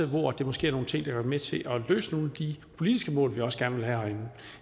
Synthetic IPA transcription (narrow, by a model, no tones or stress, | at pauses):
ðˠʋɒːæd̥e̝mɒsɡ̥e̝̰ːɐno̝ːn̩t͡sʰe̝ŋ̰d̥ɑɡ̥ɒɐmet͡sʰe̝ʔɒ̽lø̰ːsəno̝ːl̩d̥ipʰo̝lid̥isɡ̥əmɔ̰ːlʋiɒ̽sə̥ɡ̥æɐnəʋe̝lɦæhɒn